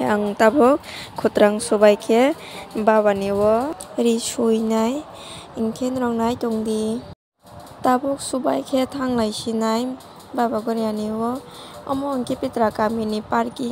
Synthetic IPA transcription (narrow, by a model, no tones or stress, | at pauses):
aŋtabɔkʰːutɾaŋsubajkʰe | baβaniwɔɾisujnaj | iŋkʰenɾɔŋnajtɔŋdi | tabɔk̚subajkʰetʰaŋlajsinaj | babaɡɔɾjaniwɔɔmɔŋkʰipitɾakaminipaɾki